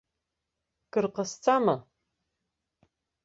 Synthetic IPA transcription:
kɨrqəst͡sʰʼamɐ

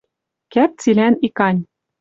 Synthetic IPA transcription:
kæp̚t͡silʲænikɑnʲ

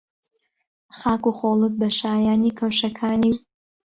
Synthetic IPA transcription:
χaːkuχolˠɨt̪̚bɐʃaːjaːniːkʰawʃɐkʰaːni

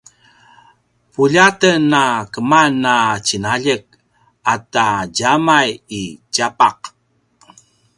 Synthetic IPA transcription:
puʎatənːakəmanːat͡ɕinaʎək̚ | ataɟamajicapaq̚

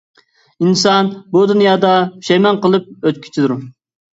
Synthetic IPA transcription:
insɑnbud̪unjɑːd̪ɑy̥ʃɛjmɑnqəlˠɨp̚øt̪̚kʲʰy̥t͡ʃʰid̪uɾ

